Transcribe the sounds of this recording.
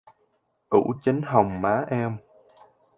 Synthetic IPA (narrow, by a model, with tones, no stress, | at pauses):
ʔṵ˧˩t͡ɕə˨˦ŋ̟ɦə˨˩wŋ͡mmaː˨˦ʔɛ˧m